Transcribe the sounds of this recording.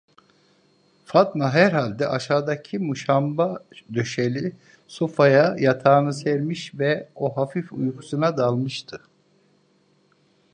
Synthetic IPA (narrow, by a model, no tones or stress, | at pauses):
fat̪maɦæɾɦalʲd̪ɛʔaʃaːd̪acʰimuʃambad̪ø̞ʃelʲi | sofajajat̪ʰaːnɯsɛɾmiʃvɛoɦafifujkʰu̥sunad̪alˠmɯʃt̪ʰɯ